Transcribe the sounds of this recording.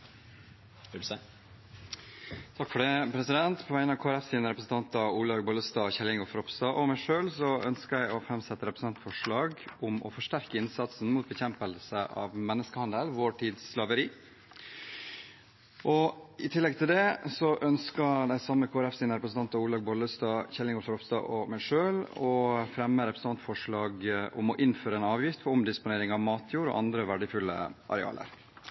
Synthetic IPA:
t̪ʰɑkːfɔɖɛpʰɾɛsɪd̪ɛnt̪pʰɔʋæɪnɑʋkʰoːæɾɛfsiːnəɾɛpɾəsn̩t̪ɑnt̪ɑuːlɑɡbʊləst̪ɑːçɛlɪŋɔfɾɔpst̪ɑːʔɔmæɪʂøːlsɔœnskəæɪɔfɾɛmsɛt̪ːəɾɛpɾəsn̩ʰɑnt̪fɔʂɭɑːɡʊmɔ̰fɔʂʈæɾkəɪnsɑt̪sn̩muːt̪̚bəçɛmpəlsəʔɑ̰ːʋmɛnːəskəhɑnd̪əlʋoːʈʰiːd̪sːlɑʋəɾiː | ʔɔɪt̪ʰɪlːɛɡ̚t̪ʰɪld̪ɛsɔʔœnskəd̪æɪsɑmːəkʰoːæɾɛfsiːnəɾɛpɾəsn̩ʰɑnt̪ɑuːɭɑːɡ̚bɔləst̪ɑːçɛlːɪŋɔɾfəɾɔpst̪ɑ̰ːʔɔmæɪʂøːlɔfɾɛmːəɾɛpʰɾəsn̩t̪ɑnt̪fɔʂɭɑːɡʔʊ̰mɔʔɪnføːɾəɛːnɑːʋjɪft̪fɔɔmd̪ɪspʊneːɾɪŋɑʋmɑːt̪ʰjuːɾɔ̰ʔɑnd̪ɾəʋæɖəfʉlːə̰ʔɑ̰ɾɛɑ̰ːlə̰ɾ

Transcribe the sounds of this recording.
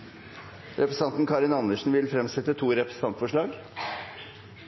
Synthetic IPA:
ɾʔɛpɾəsɑnt̪n̩kʰɑːɾɪnɑnəʂɳ̩ʋɪlfɾɛmsɛt̪ət̪ʰuːɾɛpɾəsn̩ɑnt̪fɔʂɭɑːɡ

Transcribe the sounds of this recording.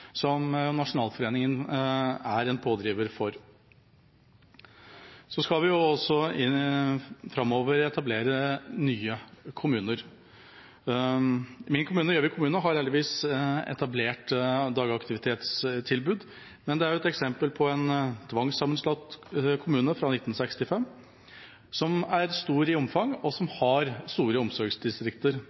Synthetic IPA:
sɔmnɑʂʊnɑːlfɔɾeːnɪŋən | æɾɛnpʰoːd̪ɾiːʋəɾfɔɾ | sɔskɑlʋɪjʊɔsːɔɪ | fɾɑmoːʋəɾɛt̪ʰɑbleːɾənyːəkʰʊmʉːnəɾ | mɪnkʰʊmʉːnəɾjøːʋɪkʰʊmʉːnəɦɑɾheːld̪ɪʋiːsɛ̰t̪ɑbleːʈd̪ɑːɡəɑkt̪ɪʋɪt̪ʰeːt̪st̪ʰɪlbʉːd̪ | mɛnd̪ɛæɾjʊɛt̪ɛksɛmpəlpʰɔɛnt̪ʰʋɑŋsɑmːənslɑt̪kʰʊmʉːnəfɾɑnɪt̪ːn̩sɛkst̪ɪfɛmː | sɔmæɾst̪uːɾɪɔmfɑŋɔsɔmhɑɾst̪uːɾəɔmsɔɾɡsd̪ɪst̪ɾɪkt̪əɾ

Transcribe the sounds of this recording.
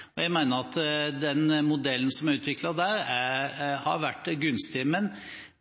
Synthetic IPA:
ɔjæɪmæɪnəɾɑt̪d̪ɛnmʊd̪ɛlːn̩sɔmæɾʉːt̪ʋɪklɑd̪æɾæɾhɑ̰ɾʋæʈːɡʉnst̪ɪmɛn

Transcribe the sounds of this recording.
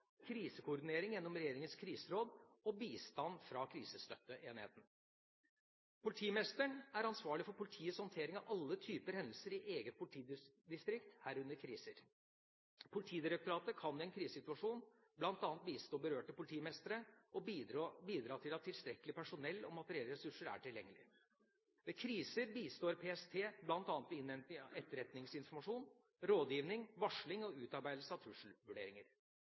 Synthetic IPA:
kʰɾiːsəkʰʊʊɾɖ̪ɪneːɾɪŋjɛnːɔmɾɛjeːɾɪŋənskʰɾiːsəɾoːd̪ɔbiːst̪ɑnfɾɑkʰɾḭːsəst̪œ̰t̪ːəʔeːnɪhḛːt̪n̩ | pʰʊlɪt̪ʰiːmɛst̪əɳæɾɑnsʋɑːɭɪfɔɾpʊlɪt̪ʰiːəshɔnt̪ʰeːɾɪŋɑʋʔɑlːət̪ʰyːpəɾhɛnd̪l̩səɾɪʔeːɡət̪̚pʰʊlt̪ʰiː | d̪ɪst̪ɾɪkt̪hæːɾʉnəɾkʰɾiːsəɾ | pʰʊlɪt̪ʰiːd̪ɪɾək̚t̪ʊɾɑːt̪əkʰɑnːɪɛnkʰɾiːsəsɪt̪ʉɑʂuːn | blɑnt̪ɑːnt̪̚biːst̪oːbəɾøːʈəpʰʊlɪt̪ʰiːmɛst̪əɾəʔɔbiːd̪ɾɑːt̪ʰɪlɑt̪ʰːɪlst̪ɾɛkːəlɪpʰæʂʊnɛlːɔ̰mɑt̪dɾeɛlːəɾɛsʉʂəɾæ̰ʈʰɪljɛŋːəlɪ̰ | ʋɛkʰɾiːsəɾbiːst̪oːɾpʰeːɛst̪ʰeːblɑnt̪ɑːnət̪ʋɪnɛnt̪ɪɛt̪ːəɾɛt̪nɪŋsɪnfɔɾmɑʂuːn | ɾoːd̪jiːʋnɪŋʋɑʂɭɪŋɔʉːt̪ɑɾbæɪd̪̩səɑt̪ʰɾʉʂl̩ʋʉɖeːɾɪŋəɾ

